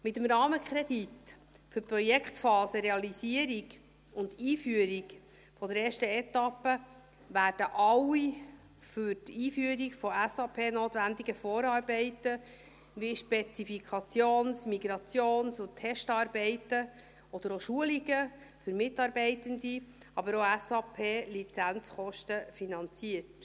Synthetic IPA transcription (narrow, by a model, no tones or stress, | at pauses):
mɪt̪əmɾɑːməkχɾɛd̥̪it | fɵɾpɾɔjɛkχtfɑːsəɾeɑlisiəɾiɡ | ʊndiːfyəɾiɡ | fɔd̪əɾɛːʃtəɛt̪ɑpːə | ʋæːɾd̥əʔɑwi | fʏɾtiːfyəɾiɡfɔæsɑpʰeːnoːt̪ʋænd̪iɡəfɔːɾɑːɾbɛɪtə | ʋiʃpɛt͡sifikʰɑt͡sjoːnsmiɡɾɑt͡sjoːnsʊt̪ʰːɛʃtɑːɾbɛɪtə | ɔd̥̪əɾoʃuəliɡəfʏɾmɪtːɑːɾbɛɪtənd̪i | ɑbəɾoæsɑpʰeːlit͡sænt͡sχɔʃtəfinɑnt͡siət